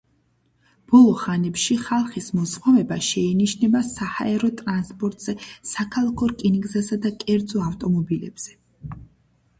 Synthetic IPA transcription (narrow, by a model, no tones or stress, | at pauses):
b̥ɔlˠɔχanɛpʃiχalˠχismɔzχɔvɛbaʃɛiniʃnɛbasaha̰ɛɾɔt̪ʼɾanspʼɔɾt̪ʼz̥ɛsakʰalˠakʰɔɾkʼinɡzasad̪akʼɛɾd̪zɔaft̪ʼɔmɔbilɛb̥z̥ɛ